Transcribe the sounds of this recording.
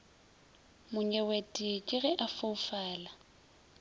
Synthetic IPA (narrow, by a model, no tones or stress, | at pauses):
mʊɲɛwetʼɪkʼɪɣɛʔafoufaːla